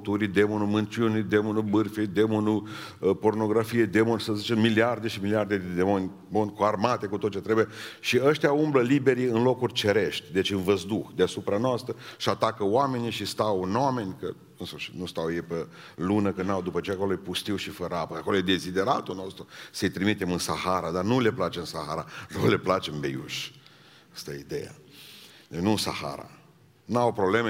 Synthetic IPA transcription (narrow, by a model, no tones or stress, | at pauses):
t̪uɾid̪emonumɨnt͡ʃunid̪e̞monubɨrfed̪emonu | po̞rno̞ɡɾafijed̪e̞monsəzit͡ʃemːiliard̪eʃimiliard̪ed̪ed̪emonʲ | monʲkoarmat̪e̞kut̪ot̪t͡ʃet̪ɾebujeʃiəʃt̪ʲjaumbləlibe̞ɾiɨnlo̞kurʲt͡ʃe̞ɾe̞ʃt̪ʲd̪e̞t͡ʃʲɨnvəzd̪uxd̪easupɾanoast̪ɾəʃat̪akəoame̞niʃist̪awname̞nʲkə̰ | ɨnsəʃit̪nust̪awjepe | lunəkɨnawd̪upət͡ʃe̞jako̞lojepust̪iwʃifəɾəapəako̞lojed̪e̞zid̪e̞ɾat̪unost̪ɾusəɨjt̪ɾimit̪e̞mɨnsahaɾad̪anule̞plat͡ʃeɨnsaxaɾanole̞plat͡ʃembḛjṵʃʲ | ast̪ajḛid̪e̞̰ja̰ | d̪et͡ʃnunsa̰ha̰ɾa̰ | nawpɾoble̞me